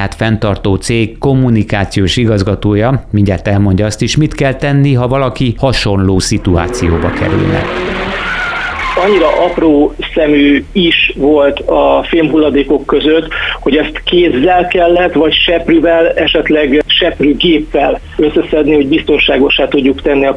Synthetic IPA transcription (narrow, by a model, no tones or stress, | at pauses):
aːt̪fɛnt̪ɒrt̪oːt̪seːkːo̞mːunikaːt̪sijoːʃiɡɒzɡɒt̪oːjɒmiɲɟaːt̪ːɛlmo̞ɲɟɒɒst̪iʃmit̪kɛlt̪ɛnːiɦɒvɒlɒkihɒʃo̞nloːsit̪ua̰ːt̪sijo̰ːbɒkɛ̰ɾy̰lnɛ̰ | ɒɲːiɾɒʔɒproːsɛmyːiʃʋo̞lt̪ɒfilmɦulːɒd̪eːko̞kːø̞zøt̪ːho̞ɟɛst̪keːzːɛlkɛlːɛt̪ʋɒcʃɛpryvɛlɛʃɛt̪lɛɡʃɛpryɡeːpːɛl | ø̞sːɛsɛd̪niho̞ɟbist̪o̞nʃaːɡo̞ʃːaːt̪uɟːukt̪ɛnːiɒ